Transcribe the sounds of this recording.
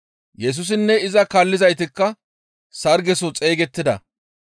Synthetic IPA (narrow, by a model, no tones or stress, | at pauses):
jɛs̬ʊs̬ɪnːɛɪzɐkaːlːɪzɐjt̪̬ɪkːɐ | sɐɾɡɛsɔt͡sʼeːɡɛt̪ːɪd̪ɐ̰